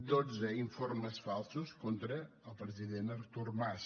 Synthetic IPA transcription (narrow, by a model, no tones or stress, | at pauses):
d̪od͡zəiɱfoɾməsfalˠsuskont̪ɾəː | lˠpɾəziðenəɾt̪uɾmas